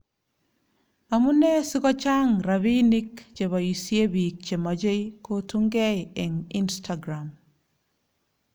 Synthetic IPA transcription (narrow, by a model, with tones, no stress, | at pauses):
a˨mu˦ne˦su˦kɔ˦t͡ʃa˦ŋɾa˨βi˦ni˦kt͡ʃe˨βa˨i˨sije˦bik̚t͡ʃe˨ma˨d͡ʒe˦jkotu˦ŋɡɛɛ˨ŋi˦nstʰaɡɾam